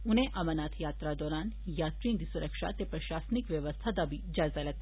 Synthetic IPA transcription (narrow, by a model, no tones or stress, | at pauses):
unẽʔɐmənaːt̪ʰjaːt̪ɾad̪ɔːɾaːn | jaːt̪ɾĩːnd̪isuɾəkʃa̰t̪epɾɐʃaːsnikʋjəʋəst̪ʰad̪abʱid͡ʒaːzalɐt̪